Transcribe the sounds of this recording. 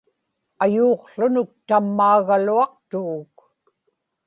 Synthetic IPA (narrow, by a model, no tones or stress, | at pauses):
ajuːqɬʊnʊk̚t̪amːaːɣaluɑq̚t̪uɣːk